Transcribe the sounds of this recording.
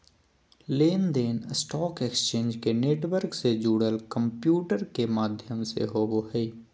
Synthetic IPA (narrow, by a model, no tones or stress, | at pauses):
leːnd̪eːnsʈɔːkekst͡ʃẽːnd͡ʒkeneːʈwəɾksed͡ʒuːɽəlkə̃mpjuːʈəɾkemaːd̪ʱjəmsḛɦoːʋoɦɛ